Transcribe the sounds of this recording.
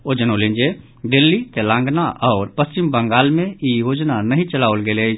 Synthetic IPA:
od͡ʒənolẽnd͡ʒe | ɖelːit̪elãːŋɡnaʔɔːɾpəst͡ʃimbə̃ŋɡaːlmẽijoːd͡ʒnanəɦĩt͡ʃəlaːʋəlɡeːle

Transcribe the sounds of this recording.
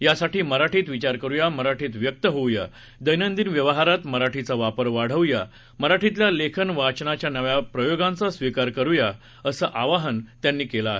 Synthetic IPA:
jasaʈiːməɾaʈʰiːt̪ʋit͡ɕaɾkəɾujaməɾaʈʰiːt̪ʋjək̚t̪əɦowja̰ | d̪əjnənd̪iːnʋjəʋəɦaɾat̪məɾaʈʰit͡saʋapəɾʋaɽ̤əʋja | məɾaʈʰit̪̬lalekʰənʋat͡ɕnat͡ɕjanəʋjapɾəjoɡãnt͡sasʋikaɾkəɾuja | əsəːʔaʋaɦənt̪janːiːkelaɦe

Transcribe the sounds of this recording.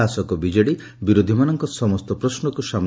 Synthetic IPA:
asɔkɔbid͡ʒɔɽi | biɾod̪ʱimanɔŋkɔsɔmɔst̪ɔpɾɔsnɔkusam

